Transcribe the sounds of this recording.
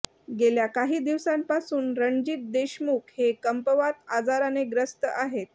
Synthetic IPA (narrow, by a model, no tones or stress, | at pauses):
ɡeljakaɦiːd̪iʋsãmpasuːnɾəɳd͡ʑiːt̪̚d̪eɕmuːkhekəmpəʋat̪ad͡zaɾaneɡɾəst̪əʔaɦet̪̚